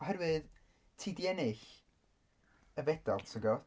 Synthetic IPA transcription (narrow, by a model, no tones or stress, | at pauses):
ɔɦɛɾwɨð | tʰiːdiɛnɪɬ | əvɛd̥alˠtʰəɡɔ